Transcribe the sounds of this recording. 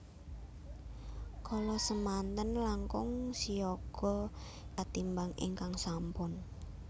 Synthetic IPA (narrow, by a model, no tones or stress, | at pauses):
kɔlɔsəmant̪ənlaŋkʊŋsiɔɡ̥ɔ̤ | at̪imbaŋḭŋkaŋsampʊn